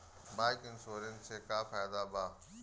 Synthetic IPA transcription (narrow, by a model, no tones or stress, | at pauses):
baːɪkɪnsoːɾɪnsʰeːkaːfaːjd̪abaː